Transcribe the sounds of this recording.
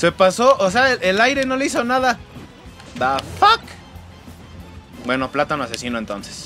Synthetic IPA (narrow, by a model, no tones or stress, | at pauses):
se̞paso̞ʔos̬eaelʔelajɾe̞no̞leis̬o̞naða | d̪afak | bwe̞no̞plat̪anoase̞sino̞ent̪o̞nse̥s